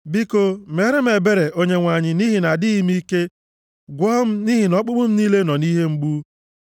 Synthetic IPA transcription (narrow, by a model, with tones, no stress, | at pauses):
bi˦ko˦˨me˨˦ɾɪ˦m̩˦e˨be˦ɾe˨ʔo˦ɲe˦ŋʷa˨ɲɪ˨ni˦ɦi˨na˨dɪ˦i˦mi˦ke˦ | ɡʷɔ˦m̩˦ni˦ɦi˨nɔ˦k͡pʊ˦ɡ͡bʊ˦m̩˦niː˦le˦nɔ˨ni˦ɦe˦ŋ͡m̩˦ɡ͡bu˦